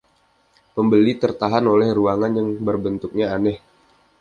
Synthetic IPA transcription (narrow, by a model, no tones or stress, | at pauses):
pəmbəlit̪ərt̪aɦanolɛhruaŋanjaŋbərbənt̪uk̚ɲaːnɛh